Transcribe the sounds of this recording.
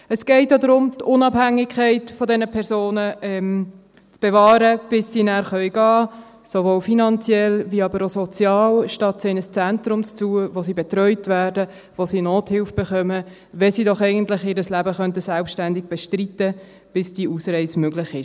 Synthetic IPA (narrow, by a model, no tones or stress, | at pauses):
əsɡ̥ɛɪtjodɾʊmtʊnɑphæŋːɪkʰχɛɪtfɔdɛnəpʰɛɾsoːnəʔɛm | t͡sb̥ɛvɑːɾəb̥ɪsːinæːɾχœʏɡ̥ɑː | sovoːlfinɑnt͡sjɛlviɑbəɾosɔt͡sjɑːlʃtɑt̪seɪnəst͡sæntɾʊmt͡st͡suəvosiːbɛt̪ɾœʏtvæːrdə | ʋosinoːthɪlfb̥ɛχœmə | vɛsiːdɔχɛɪɡəntlɪχɪːɾəslæbəχœntəsælpʃtændɪɡ̥̚b̥ɛʃtritə | b̥ɪsd̥iːʔuːsrɛɪsmøɡlɪχɪʃ